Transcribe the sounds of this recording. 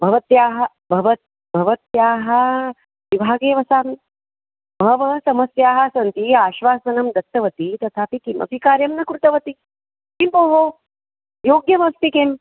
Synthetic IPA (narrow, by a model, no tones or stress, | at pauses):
bʱɐʋɐt̪jaːɦɐ̆ | bʱɐʋɐt̪̚ | bʱɐʋɐt̪jaːɦɐ | ʋibʱaːɡeːʋɐsaːm | bʱɐʋɐsɐmɐsjaːɦasɐnt̪iaːʃʋaːsɐnɐmd̪ʱɐk̚t̪ːɐʋɐt̪it̪ɐt̪ʰaːpikimɐ̰bʱikaːɾjɐmnɐkɾut̪ɐʋɐt̪i | kimpoːɦoː | joːɡjɐʋɐst̪ikem